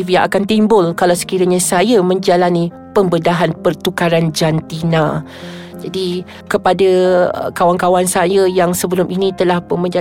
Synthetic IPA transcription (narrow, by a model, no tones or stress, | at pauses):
viaʔakant̪imbʊlkalawsə̥kiɾaɲasajamə̃ɲd͡ʒalanĩ | pəmbədaɦanpərt̪ukaɾand͡ʒant̪inã | d͡ʒadi | kəpadakawankawansajajaŋsəbəlʊmʔinĩt̪əlahpʊnmə̃ɲd͡ʒa